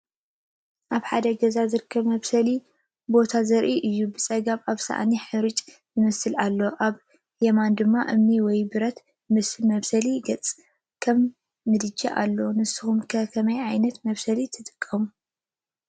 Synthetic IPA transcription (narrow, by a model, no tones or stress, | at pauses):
ʔaβħad̪ɐɡɐzazɨɾkʰːɐβmɐβsɐli | bo̞t̪ʰazɐɾʔiʔɨjːubɨt͡sʼɐɡaβaβsa̰ʔniħɨɾɨt͡ʃʼ | zɨmɐsɨlalːo̞ʔaβ | jɛmand̪ɨmːaʔɨmniwɔjbɨɾɐt̪ | mɨsmɐβsɐliɡɐt͡sʼ | kʰɐmː | ɨd̪ɨd͡ʒaʔa̰lːonɨsɨxumkʰɐkʰɐmɐjʕajnɐt̪mɐβsɐlit̪ʰɨt̪ʼɨ̥kʼːɐmu